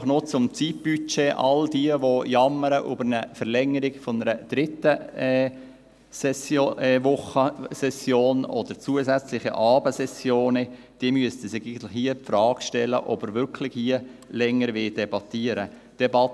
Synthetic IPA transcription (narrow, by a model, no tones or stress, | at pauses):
χnot͡sʊmt͡sit̚b̥yt͡ʃeːʔɑ̰ldiəʋojɑmːəɾəʔʊ̰bəɾnəfəɾlɛŋːəɾɪɡfɔnəɾəd̪̥ɾɪt̪ːə | sɛsʋʊχəsɛsjoːnɔd̥̪əɾt͡suəzæt͡slɪχḭʔɑːbəsɛsjoːnə | d̥iəmyəstəsɪiɡət̪lɪxhiəpfɾɑːɡʃtɛlə̰ʔɔb̥əɾʋʏɾkʰlɪxhiəlɛŋːəɾʋɪld̥ɛbɑt̪iəɾə | d̥ɛbɑt